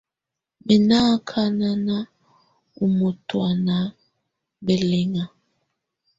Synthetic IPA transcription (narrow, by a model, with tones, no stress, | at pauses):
be˨na˦kʰa˦na˦na˦ | u˨mo˨twa˨na˨ | be˨le˦ŋa˨